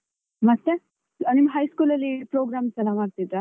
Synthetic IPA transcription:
mɐt̪ːe | nimɐɦɐjskuːlɐlːipɾoːɡɾaːmsɐlamaːɡ̚t̪id̪ɾa

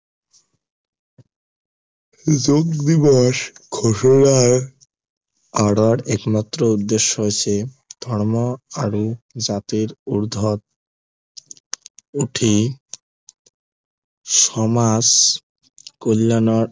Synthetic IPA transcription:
d͡ʑoɡd̪ibɔʃkʰoʃoɽaɾ | aɽoɾɛkmat̪ːɾoud̪ːeʃːoɦoet͡ɕʰe | d̪ʱɔɾmoaɾud͡ʑat̪iɾuɾd̪ʱot̪̚ | uʈʰi | ʃɔmas | kolːano

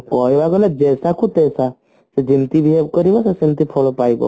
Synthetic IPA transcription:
kɔjbakɔlɛd͡ʒesakut̪esa | sed͡ʒimt̪ibʱiɦebkɔɾibɔsesimt̪ipʰɔɭɔpajbɔ̰

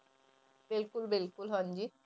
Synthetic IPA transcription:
bilkulbilkulɦɔnd͡ʑi

